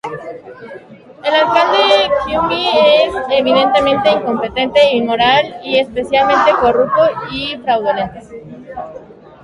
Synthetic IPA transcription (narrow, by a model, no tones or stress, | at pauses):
elalkand̪ekjumbieseβiðe̞nt̪e̞mẽnt̪e̞iŋko̞mpe̞t̪e̞nt̪e̞inmoɾalie̞spe̞sjalmẽnt̪eko̞rup̚t̪oifɾawðolent̪e